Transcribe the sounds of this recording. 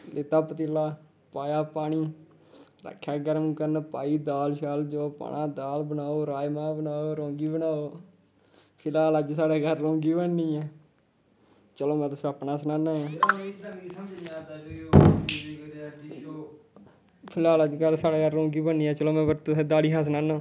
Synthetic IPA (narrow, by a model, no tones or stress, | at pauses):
lɪt̪aːpət̪ɪlaː | paːjaːpaːɽiː | ɾə̰kʰːjaːɡəɾəmkəɾnpa̰ːiːd̪aːlʃaːld͡ʒoːpa̰ːnãːd̪aːlbənaːoːɾaːjmãːbənaːoːɾõːŋɡiːbənaːoː | pʰɪlaːləd͡ʒsaːɽeːɡəɾːõːŋɡiːbənːiːɛː | t͡ʃəloːmɛ̃ːt̪ʊsẽːəpnaːsnaːnaːjãːd̪əiaː | i | pʰɪlaːləd͡ʒɡəɾsaːɽeːɡəɾːõːŋɡiːbənːiːɛːt͡ʃəloːmɛ̃ːbət̪ʊsẽːd̪aːliːɦas̬naːnaː